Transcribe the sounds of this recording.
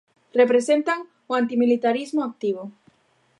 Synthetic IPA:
repɾesent̪aŋ | oant̪imilit̪aɾizmoak̚t̪iβ̞o

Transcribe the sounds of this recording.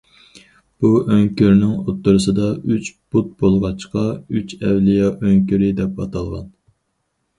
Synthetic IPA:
b̥uʔøŋkʲyɾnɪŋot̪ːʊɾɨsɨd̪ɑyt͡ʃb̥ut̪̚bolˠʁɑt͡ʃqɑyt͡ʃɛwlijɑʔøŋkʲyɾɪd̪ɛpɑt̪ʰɑlˠʁɑ̰n

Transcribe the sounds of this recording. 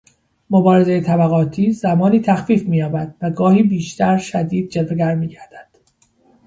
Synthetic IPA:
mobɒːɾe̞zejet̪ʰæbæɣɒːt̪ʰiːzæmɒːniːt̪ʰæxfiːfmiːjɒːbæd̪̥væɡɒːhiːbiːʃt̪ʰæɾʃæd̪iːd̪̚d͡ʒelveɡæɾmiːɟæɾd̪̥æ̥d̪̥

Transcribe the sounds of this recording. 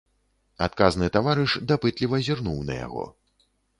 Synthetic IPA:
a̰t̪̚kaznɨt̪avaɾɨʂd̪apɨt̪lʲivɐzʲirnuwnɐ̰ja̰ɣɔ̰

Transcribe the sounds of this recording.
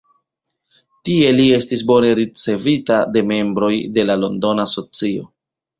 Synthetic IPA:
tie̞lie̞stis̬bo̞ne̞ɾit͡se̞vitade̞me̞mbɾo̞jde̞lalo̞ndo̞naso̞t͡sio̞̰

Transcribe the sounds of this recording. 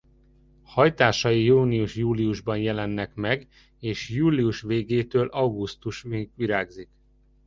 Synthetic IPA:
hɒjt̪aːʃɒjijuːniuʃjuːliuʒbɒnjɛlɛnːɛkmɛɡ | eːʃjuːliuʃʋeːɡeːt̪øːlʔɒwɡust̪uʃɡʋiɾaːɡzik

